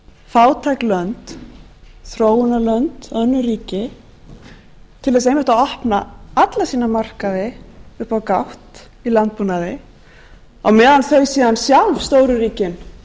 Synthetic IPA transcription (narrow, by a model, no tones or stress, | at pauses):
faːwt̪ʰajklœnt̪ | θɾoːwʏnalœnt̪œnːʏɾiːcɪ | t̪ʰɪlðɛs̬ejmɪht̪aɔhpnaat̪lasiːnamar̥kaðɪʏhpawkawht̪ | ilant̪̚punaðɪ | a̰ɣmɛːðanθœɥjsiːðansjawlvst̪oːwɾʏɾiːcɪn